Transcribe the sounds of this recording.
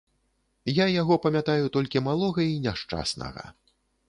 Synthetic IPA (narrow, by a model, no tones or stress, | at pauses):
jajaɣɔpɐmʲat̪ajut̪ɔlʲkʲimalˠɔɣɐinʲaʂt͡ʂa̰snɐ̰ɣɐ̰